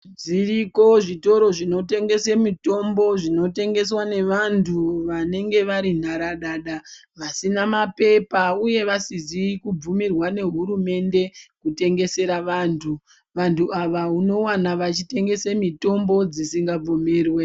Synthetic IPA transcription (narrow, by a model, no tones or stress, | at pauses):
d͡ziriko̞ʐito̞ɾo̞ʐino̞te̞ŋɡe̞se̞mito̞mbo̞ʐino̞te̞ŋɡe̞swane̞ʋantʰuʋane̞ŋɡe̞ʋaɾin̤aɾaɗaɗa | ʋasinamape̞pauje̞ʋasizikub͡vumirwane̞ɦuɾume̞nde̞kute̞ŋɡe̞se̞ɾaʋaːntʰu | ʋantʰuaʋauno̞wanaʋat͡ʃite̞ŋɡe̞semito̞mbo̞d͡zisiŋɡab͡vo̞me̞ːrwe̞